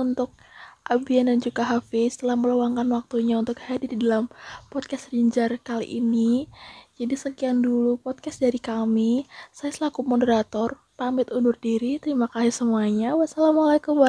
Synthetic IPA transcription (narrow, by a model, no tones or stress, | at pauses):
unt̪ʊk̚ʔabiandand͡ʒukaɦafist̪əlahməlawaŋkanwak̚t̪uɲaunt̪ʊkhadirdidalampɔd̪̚kasriɲd͡ʒarkalḭʔḭnid͡ʒadisəkiaŋdulupɔt̪̚kasdaɾikamisajasəlakumodəɾat̪ɔr | t̪amɪt̪unʊrdiɾit̪əɾimakasisəmuaɲawasalamalakumba